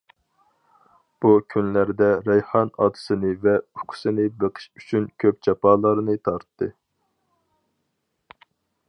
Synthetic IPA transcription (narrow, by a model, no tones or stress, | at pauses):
b̥ukʲʰynlæɾd̪ɛɾɛjχɑnɑ̰ːt̪ʰɨ̥sɨnɨvɛuqʰʊ̥sɨnɨbeqʰɨ̥ʃyt͡ʃʰynkʲʰøp̚t͡ʃʰɑpɑːlˠɑɾnɨt̪ʰɑɾt̪ːɨ